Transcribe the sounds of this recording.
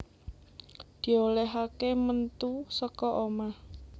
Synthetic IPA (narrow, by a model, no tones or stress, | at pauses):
d̪̥i̤oleɦakemənt̪usəkɔʔomah